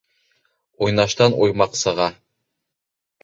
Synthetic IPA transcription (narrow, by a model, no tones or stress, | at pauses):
ojnɑʃt̪ɑnujmɑqsɑʁɑ